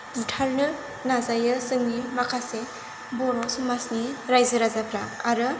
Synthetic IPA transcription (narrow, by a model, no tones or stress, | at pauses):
zitʰaɾnɯ | nazajɯsɯŋnimakʰase | bɔɾɔsumasniɾajzɯɾazapʰɾaaɾɯ